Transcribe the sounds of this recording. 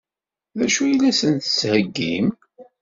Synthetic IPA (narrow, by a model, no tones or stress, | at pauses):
ðæʃujilæsənt̪ə̥sːhəɡːim